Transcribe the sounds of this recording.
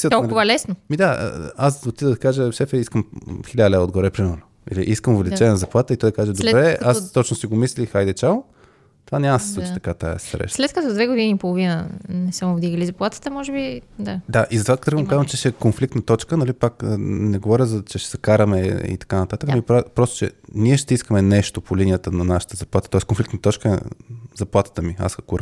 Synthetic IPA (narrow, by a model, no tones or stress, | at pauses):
sit̪ɔʊvəlɛsnomid̪a̰asot̪ːid̪d̪ɐkaʒəʃɛfɛiskəmxilʲad̪lɛod̪ɡoɾɛpɾiməlˠno | ḭliʔiskəmʊvɛlit͡ʃɛnɛnəzɐplˠat̪əit̪ɔjd̪ɐkaʒəd̪obbɾɛast̪ɔt͡ʃnosiɡomislʲixajd̪ɛt͡ʃalˠ | t̪ovanʲamdsɛ̥slˠut͡ʃit̪ɐ̥kat̪a̰jə̰st̪ɾɛ̰ʃslɛt̪̚kət̪ɔd̪vɛɡod̪iniːpolˠovinənɛsəmobd̪iɣəlizɐplˠat̪ə̥t̪əmɔʒɛbid̪ad̪aʔizɐt̪ovat̪ɾɣvəmkazvɐmt͡ʃɛʃɛkonflikt̪nət̪ɔt͡ʃkənɐlipakːnɛɡovɔɾʲəzɐt͡ʃɛʃɛ̥sɐkaɾɐmɛḭt̪ɐ̥kanɐt̪at̪əknpɾapɾɔst̪ʊ̥t͡ʃɛ̰niɛʃt̪ɛiskəmɛnɛʃt̪opolinijət̪ənɐnaʃə̥t̪əzɐplˠat̪ət̪ɔɛskonflikt̪nət̪ɔt͡ʃkə̰zɐplˠat̪ə̥t̪əmia̰skʊɾ